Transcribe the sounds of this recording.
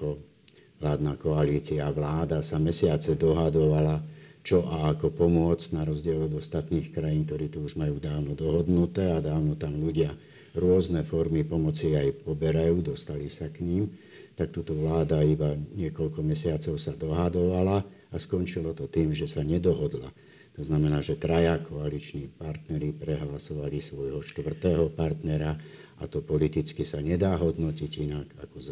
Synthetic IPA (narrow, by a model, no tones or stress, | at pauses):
ɔ | ʋlaːd̪naːkɔaliːt͡siaʋlaːd̪asamɛsɪat͡sɛd̪ɔɦad̪ɔʋalat͡ʃɔʔaakɔpɔmʊɔd͡znaɾɔzɟɪɛlɔd̪ɔst̪at̪niːxkɾajiːnkt̪ɔɾiːt̪uuʒmajuːd̪aːʊnɔd̪ɔɦɔd̪nut̪ɛːad̪aːʊnɔt̪amluɟɪa | ɾʊɔznɛfɔɾmipɔmɔt͡siajpɔbɛɾajuːd̪ɔst̪alisakɲiːm | t̪akt̪uːt̪ɔʋlaːd̪aibaɲɪɛkɔʎkɔmɛsɪat͡sɔʊsad̪ɔɦad̪ɔʋala | askɔnt͡ʃilɔt̪ɔt̪iːmʒɛsaɲɛd̪ɔɦɔd̪la̰ | t̪ɔznamɛnaːʒɛt̪ɾajakʰɔalit͡ʃniːpaɾt̪nɛɾipɾɛɦlasɔʋalisʋɔjɦɔʃt̪ʋr̩t̪ɛːɦɔpaɾt̪nɛɾaʔa̰t̪ɔpɔlit̪it͡skisaɲɛd̪aːɦɔd̪nɔciɟinaɡakɔz